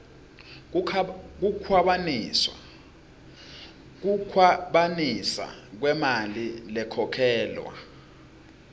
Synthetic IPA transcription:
k̬ukʰwaɓans | k̬ukʰwaɓanisa̰k̬wɛmalilɛkʰɔkʰɛːlwa̰

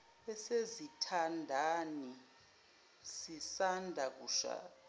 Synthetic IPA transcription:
ɛsezitʰandʱani | sisandʱak̬uːʃa̰ː

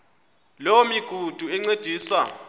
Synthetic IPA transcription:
lomiɡ̥ʱud̥ʱuɛŋ͡ǀed̥ʱiːsa

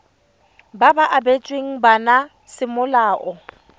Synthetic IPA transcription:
babaʔabet͡ʃʼweŋ̩bana | sɪmʊlaːʔɔ

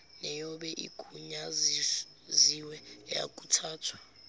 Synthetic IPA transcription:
nɛjɔɓɛʔḭkʼuɲazi | ziwɛja̰kʼutʰaːtʰwḁ

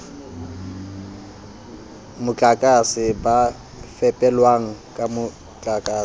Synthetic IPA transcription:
mʊt͡ɬʼakʼasɪba | fɛpʼɛlwaŋ̩kʼamʊ | t͡ɬʼakʼaː

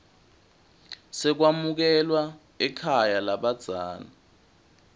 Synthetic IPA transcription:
sɛk̬wamuk̬ɛlwa | ɛkʰajalaɓad̥z̥ʱaːna

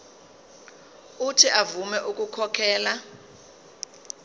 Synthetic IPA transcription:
utʰiʔavumɛʔuk̬ʼukʰɔkʰɛːla

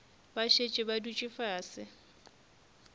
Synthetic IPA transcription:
baʃet͡ʃʼɪbadut͡ʃʼɪfaːsɪ

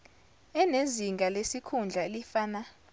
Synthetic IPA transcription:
ɛneziŋɡʱalesikʰund͡ɮʱaelifaːna

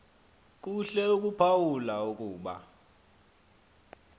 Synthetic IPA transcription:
k̬ʼuɬɛuk̬ʼupʰawulauk̬ʼuːɓa̰

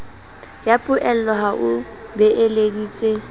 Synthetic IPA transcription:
japʼʊʔɛl̩lɔɦaʔʊ | bɛʔelediːt͡sʼe

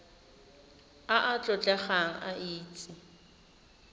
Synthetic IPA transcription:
aʔat͡ɬʼɔt͡ɬʼɛχaŋ̩a̰ʔiːt͡sʼɪ

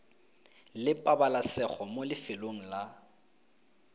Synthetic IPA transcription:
lɪpʼabalasɛχɔmolɪfɪloŋ̩la

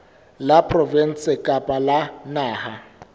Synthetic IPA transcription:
lapʰʼrɔvɛn̩sɪkʼapʼalanaːha

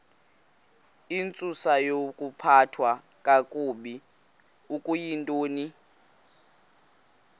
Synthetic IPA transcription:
int͡sʼusajokʼupʰatʰwa | kʼakʼuɓi | ukʼujintʼoːni

